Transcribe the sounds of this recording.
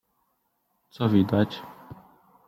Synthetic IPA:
t̪sɔvʲid̪at͡ɕ

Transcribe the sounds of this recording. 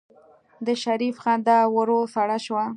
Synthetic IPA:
d̪əʃaɾifxɑnd̪awəɾosaɽaʃwa

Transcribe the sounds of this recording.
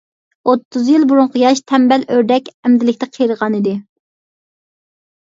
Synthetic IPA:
ot̪ʰːuzjilˠbuɾʊɴqʰəjɑʃt̪ʰɛmbɛlʔøɾd̪ɛkʲɛmd̪ɪlɪkʲt̪ɛqʰəjɾəʁɑnid̪ɪ

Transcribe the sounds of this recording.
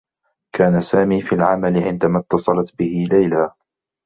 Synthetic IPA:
kaːnasaːmiːfiːlʕamalɪʕɪnd̪amat̪ːɑsˤɑlɑt̪bɪhɪlajlaː

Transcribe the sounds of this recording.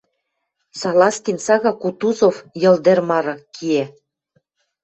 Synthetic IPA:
sɑlɑst̪insɑɣɑkut̪uzofjɤ̆ld̪ermɑɾɤ̆kʰie

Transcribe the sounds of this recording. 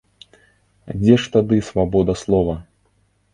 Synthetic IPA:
d͡zʲɛʂt̪ad̪ɨsvabɔd̪ɐslˠɔvɐ

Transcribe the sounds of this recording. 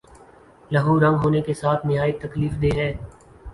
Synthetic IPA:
lɐɦuːɾə̃ŋɡɦoːnekesaːt̪ʰnɪɦaːjt̪ɐkliːfd̪eːɦɛ̃ː

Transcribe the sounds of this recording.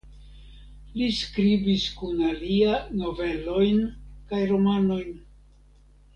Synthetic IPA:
liskɾibiskunaliano̞ve̞lo̞jnkajɾo̞mano̞jn

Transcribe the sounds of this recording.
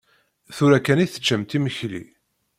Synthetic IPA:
θuɾækːæniθə̥t͡ʃːəmt̪iməçlḭ

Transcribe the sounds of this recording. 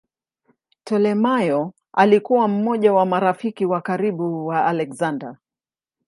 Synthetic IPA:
tɛlɛmajɔ | a̰likuwam̩mɔʄawamaɾafikiwakaɾiɓuwaːlɛkzanda

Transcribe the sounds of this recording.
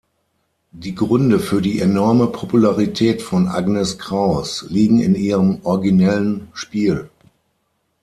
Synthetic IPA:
d̥iːɡʁʏndəfyːɐdiːʔenɔɐməpʰopulaʁitʰɛːtfɔnʔa̰ɡnɛskʁ̥aʊsliːɡŋ̩ɪ̰niːʁəmʔɔɐɡinɛlənʃpiːl

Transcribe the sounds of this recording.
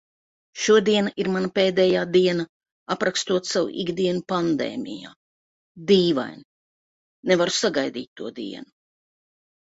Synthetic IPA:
ʃuɔd̪iɛnaʔiɾmanɐpeːd̪ɛːjaːd̪iɛnɐ | apɾakst̪uɔt̪sawṵʔḭɡd̪iɛnupand̪ɛ̰ːmʲḭja̰ː | d̪iːva̰jn | nevaɾusaɡajd̪iːt̪̚ʲːuɔd̪ḭɛnu

